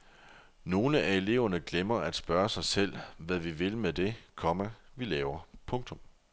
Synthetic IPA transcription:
no̝ːləʔæe̝le̝̰ːʊɐnəɡ̥lemɐæd̥sb̥ɶːɐsɑ̈ɪsel̰ʋæʋiʋe̝lmed̥e̝kʰɒ̽məʋilɛːʊɐpʰɔ̽ŋt͡sʰɔ̽m

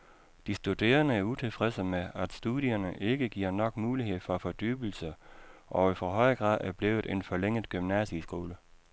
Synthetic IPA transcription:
d̥isd̥ud̥e̝̰ːɐnəæɐut͡sʰe̝lfʁɛsəmeæd̥sd̥uðˠiɐnəʔe̝ɡ̥əɡ̥iɐ̰nɒ̽ɡ̥muːliɦe̝ð̰ˠfɒ̽fɒ̽d̥y̰ːb̥l̩səʔɒ̽ifɒɦɒ̽ɪ̰ɡ̥ʁɑ̈ð̰ˠæɐb̥le̝ːð̩ˠe̝nfɒ̽leŋ̰əð̩ˠɡ̥ymnæsisɡ̥o̝ːlə

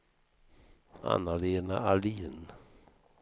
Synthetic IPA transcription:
a̰naleːnaaliːn

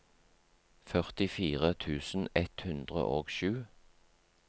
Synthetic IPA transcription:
fœʁt̪ɪfiːʁət̪ʰʉːsn̩ɛt̪hʉnd̪ʁə̰ʔoːɡʃʉː

